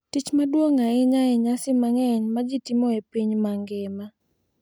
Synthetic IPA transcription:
tit͡ʃmadwoŋaɪɲaɪɲasɪmaŋɛɲmad͡ʒɪtimɔepiɲmaŋɡɪma

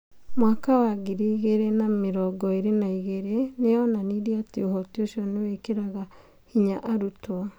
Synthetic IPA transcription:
mwaːkawaɡiɾiɣeɾenameɾɔɡɔeɾenaiɣeɾeneɔnanidiateohɔtioʃiɔnewekeɾaɣa | hiɲaʔaɾutwɔ

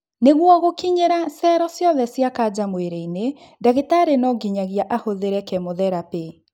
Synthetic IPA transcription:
neɣwɔɣokiɲeɾasɛɾɔsjɔðɛsjakad͡ʑamweɾeine | daɣetaɾenɔɡiɲaɣiaʔahoðeɾɛkɛmoðɛɾape

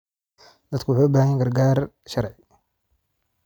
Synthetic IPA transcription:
d̪ɐd̪kʰʊwʊħuːʊbaːhɐjɡɐrɡaːr | ʃɐɾʕɪ

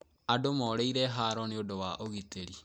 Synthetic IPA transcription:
adomɔɾeiɾɛɦaɾɔniodowaʔoɣiteɾi

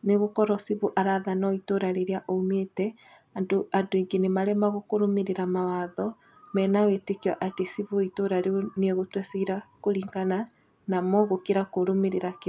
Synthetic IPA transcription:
neɣokɔɾɔsiβuʔaɾaðanɔitoɾaɾeɾeaʔometɛ | adoandoiŋɡenemaɾɛmaɣokoɾomeɾeɾamawaðɔ | mɛːnawetekiaʔatesiβuitoɾaɾeonieɣotwɛseiɾakoɾiːŋɡana | namɔɣokeɾakoɾomeɾeɾak

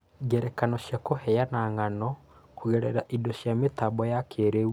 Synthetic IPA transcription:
ɡɛɾɛkanɔɕjakohɛjanaŋanɔ | kuɣɛɾɛɾaʔidoɕjametabɔjakʰeɾeu

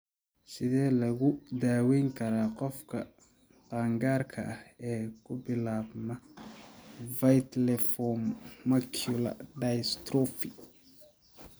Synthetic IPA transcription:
sɪðɛːlɐɣʊd̪aːwɛjŋkʰɐɾaːqɔfkʰɐ̰ | taːŋɡaːrkʰɐ̰ʔɐhɛːkʰʊbɪlaːbnɐ | vɐjt̪lɛfɔmmɐkʰʊlɐ̰ɖɐjst̪ɾɔfɪ

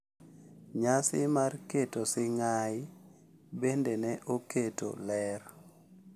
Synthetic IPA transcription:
ɲasɪmarketosɪŋa | bendenɛʔoketo̰lɛr

